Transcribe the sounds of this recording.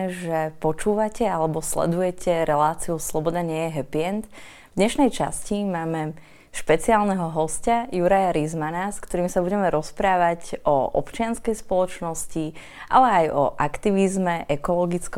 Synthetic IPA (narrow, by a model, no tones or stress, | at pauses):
ʒɛpɔt͡ʃuːʋacɛalɛbɔslɛ̰d̪ujɛcʰɛɾɛlaːt͡siuslɔbɔd̪aɲɪɛjɛɦɛpiɛnt̪ | vd̪ɲɛʃnɛjt͡ʃa̰scimaːmɛ | ʃpɛt͡siaːlnɛɦɔɦɔscajuɾajaɾizmanaskt̪ɔɾiːmsabuɟɛmɛɾɔspɾaːʋaɟʔɔʔɔ̰pt͡ʃɪanskɛjspɔlɔt͡ʃnɔsci | ʔa̰lɛajɔ̰ʔakt̪iʋizmɛʔɛkɔlɔɡit͡sk